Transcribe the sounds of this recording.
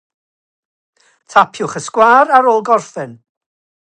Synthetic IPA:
tʰapʰjʊχəskwaːɾaɾoːlˠɡɔrfɨn

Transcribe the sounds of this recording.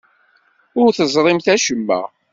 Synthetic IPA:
ʊɾθəzˤɾˤɪmθæʃəmːæ̰

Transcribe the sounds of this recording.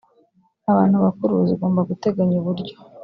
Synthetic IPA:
aβaːn̥huβakuɾuziɡoːmbaɡute̞ɡaɲuβuɾɟo̞̥

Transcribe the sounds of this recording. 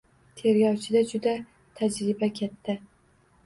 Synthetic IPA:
t̪ʰe̞ɾɡʲɒwt͡ʃʰɪd̪ad͡ʒʊd̪a | t̪ʰad͡ʒɾɪbakʲʰet̪ːɪ

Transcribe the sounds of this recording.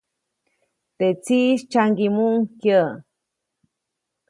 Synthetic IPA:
t̪et͡siʃt͡ʃaŋɡimuŋkjə

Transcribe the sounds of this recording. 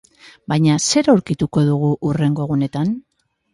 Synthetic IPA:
bajɲase̞ɾawɾkit̪uko̞ðuɣ̞uʔure̞ŋɡo̞ɣune̞t̪an

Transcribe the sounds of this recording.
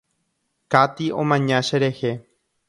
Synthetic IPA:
kat̪iõ̰mãɲãʃeɾe̞he

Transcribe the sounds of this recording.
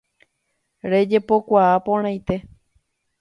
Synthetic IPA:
ɾe̞d͡ʒe̞po̞kʷaapõɾ̃ãj̃t̪e̞

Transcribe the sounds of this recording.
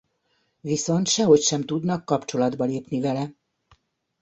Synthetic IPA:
viso̞nt̪ʃɛɦo̞cʃɛmt̪ud̪nɒkːɒpt͡ʃo̞lɒd̪bɒleːpnivɛlɛ

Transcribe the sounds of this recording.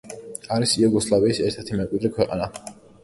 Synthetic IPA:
aɾisiɛɡɔslˠaviːsɛɾt̪ʰɛɾt̪ʰimɛkʼwid̪ɾikʰwɛqʼa̰na

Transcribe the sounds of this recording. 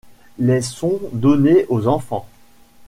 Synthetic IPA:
lɛsɔ̃d̪ɔneʔozɑ̃fɑ̰̃

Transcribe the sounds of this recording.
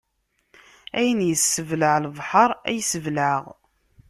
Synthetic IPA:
æjənjəsːəvləʁləvˤħəɾˤæjsəvləʁ

